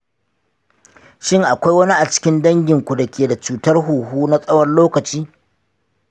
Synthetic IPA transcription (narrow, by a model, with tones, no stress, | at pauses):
ʃɪ˦ŋʔa˨kʷa˦jwɐ˦ni˦ʔa˨t͡ʃɪ̥˦kʲɪ˦ndɐ˦ŋɡʲɪ˨ŋkʷu˨da˨kʲeː˨da˨t͡ʃuː˨tɐ˦rɦuː˨ɦuː˦na˦sʼɐ˦wɐ˨rloː˦kɐ˨t͡ʃiː˦